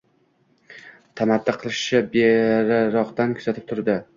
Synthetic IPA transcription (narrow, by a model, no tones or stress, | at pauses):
t̪ʰamat̪ːɪqʰɨlˠɪʃɪbeɾaɾɒqt̪ankʰʊz̥at̪ɪp̚t̪ʰʊɾd̪ɪ